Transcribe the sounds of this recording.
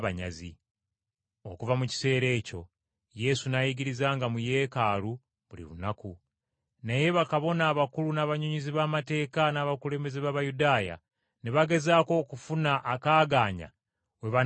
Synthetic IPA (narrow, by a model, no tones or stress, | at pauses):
βaɲa̰zḭ | o̞̰kuvamuci̥se̞ːɾe̞ːco̞̰ | je̞sunajiɡiɾizaːŋɡamuje̞ːkaːlu | βulḭβṵnaku | naje̞βakaβo̞naːβakulunaːβaɲuɲiziβaːmate̞ːkanaːβakule̞ːmbe̞zeβaːβajudaːja̰ | neβaɡe̞zaːko̞ːkufunaʔːkaːɡaːɲa̰ | we̞βa